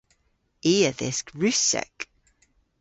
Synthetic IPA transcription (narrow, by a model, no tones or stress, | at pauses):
iːəðɪskɹʉsɛ̰k